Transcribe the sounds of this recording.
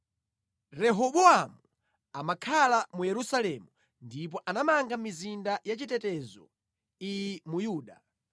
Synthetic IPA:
ɾɛɦɔɓɔamuu | amakʰalamujɛɾusalɛmu | ndip̬ɔʔanamaŋɡamizindajat͡ʃitɛtɛzɔ̰ | ijimujuːɗa

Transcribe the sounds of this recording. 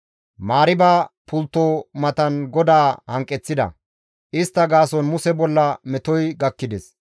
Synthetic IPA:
maːɾɪbaːpʊlt̪ːoːmɐt̪ɐnɡɔd̪aːhɐŋkʼːɛt͡sːɪd̪ɐ̰ | ʔɪst̪ːɐɡaːsɔnmʊsɛbɔlːɐmɛt̪ɔjɡɐkːɪd̪ɛs

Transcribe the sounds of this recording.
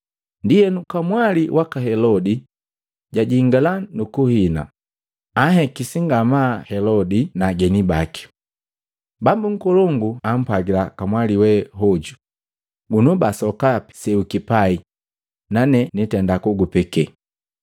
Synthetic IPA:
ndijɛnukamwaliwʔakaɦɛlɔdi | ɟaɟiŋɡalanukuhina̰ | aɦɛkisiŋɡamahɛlɔdinaɡɛnibaki̥ | bambuŋ̩kɔlɔŋɡuam̩paɡilakamwaliwɛɦɔɟu | bunɔbasɔkapi̥sɛukipai | nanɛnitɛndakuɡupɛkɛ

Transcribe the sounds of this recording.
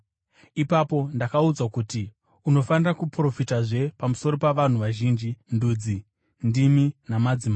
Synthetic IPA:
ipapo̞ndakaud͡zakuti | uno̞fanirakupro̞fitaʐe̞pamuso̞ɾo̞paʋan̤uʋaʒiːnd͡ʒindud͡zi | ndiminamad͡zima

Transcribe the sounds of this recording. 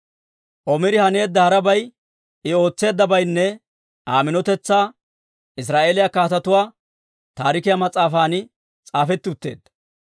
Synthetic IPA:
ʔɔmɪɾɪhɐne̞ːd̪ːɐhɐɾɐbɐj | ʔɪo̞ːt͡sːe̞ːd̪ːɐbɐjnːɛ | aːmɪnɔt̪ɛt͡sːaː | ʔɪs̬ɾaːʔeːlɪjakaːt̪ɐt̪ʊwaː | t̪aːɾɪkɪjamɐt͡sʼːaːfaːnɪ | t͡sʼaːfɛt̪ːɪʊt̪ːe̞̰ːd̪ːɐ̥

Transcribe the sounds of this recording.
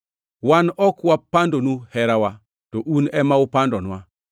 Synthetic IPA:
wanɔkwapandonuhɛɾawa | tɔʔunɛmaʊpandɔnwa

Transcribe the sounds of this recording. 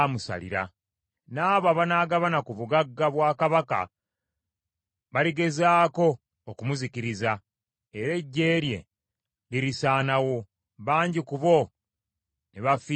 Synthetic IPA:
musa̰lḭɾa̰ | naːβaβanaːɡaβanakuβuɡaɡːaβwaːkaβaka̰ | βaliɡe̞zaːko̞ː | kumuzikiɾiza | eɾe̞ɟːe̞ːɾje̞̰ | liɾisaːnawo̞ | βaːɲɟikuβo̞ | neβafi

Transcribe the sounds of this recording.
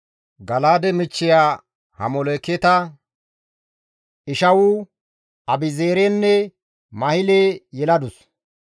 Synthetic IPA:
ɡɐlaːd̪ɛmɪt͡ʃːɪjaː | hɐmɔlekːɛt̪ɐ | ʔɪʃɐwʊ | ɐbɪzeːɾenːɛ | mɐhɪlejɛlɐd̪ʊs

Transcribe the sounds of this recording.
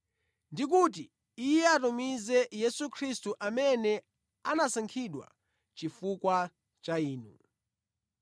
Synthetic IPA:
ndik̬ut̬i | ijɛatumizɛjɛsukʰɾistuʔamɛnɛ | anasaŋkʰiɗwa̰ | t͡ʃifukwa | t͡ʃaiːnu

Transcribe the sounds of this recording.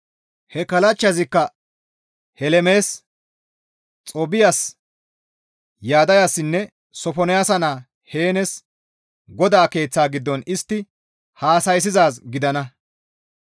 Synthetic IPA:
hɛkɐlɐt͡ʃːɐzɪkːɐ | hɛlɛme̞ːs | t͡sʼɔbɪjas | jaːd̪ɐjaːsːɪnːɛ | sɔfɔnɛjaːsɐnaː | he̞ːnɛs | ɡɔd̪aːke̞ːt͡sːaːɡɪd̪ːɔnɪst̪ːɪ | haːsɐjs̬ɪzaːsɡɪd̪ɐnɐ

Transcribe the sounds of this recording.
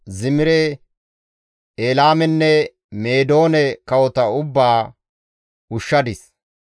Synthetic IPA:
zɪmɪɾɛ | eːlaːmɛnːɛ | me̞ːd̪o̞ːnɛkɐwɔt̪ɐʊbːaː | ʊʃːɐd̪ɪs

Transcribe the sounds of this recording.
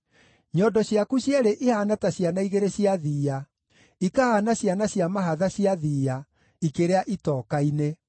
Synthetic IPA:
ɲɔdɔɕjakuɕjɛɾeʔehanataɕjanaiɣeɾeɕiaðiːa | ikahanaɕjanaɕjamaɦaðaɕiaðiːa | ikeɾeaʔitɔːkaine

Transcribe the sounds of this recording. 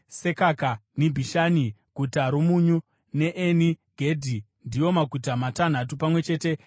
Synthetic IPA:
se̞kakanibʱiʃaːniɡ̥ʱutaɾumuɲu | ne̞ʔeniɡ̥ʱe̞dʱi | ndijo̞makutamatan̤atupamwe̞t͡ʃe̞ːte̞

